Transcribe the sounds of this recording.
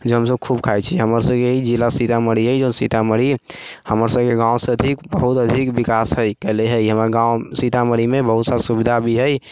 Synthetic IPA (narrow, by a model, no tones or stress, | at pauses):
d͡ʒeɦəmsəb̚kʰubkʰajt͡ʃʰiɦəməɾsəbkeɦid͡ʒilasit̪aməɾiɦəjd͡ʒonsit̪aməɾihəməɾsəb̚keɡãwsẽəd̪ʱikbəɦut̪əd̪ʱikbikasɦəjkəleɦəjɦəməɾɡãwsit̪aməɾimebəɦut̪saɾsubid̪ʱabʱiɦəj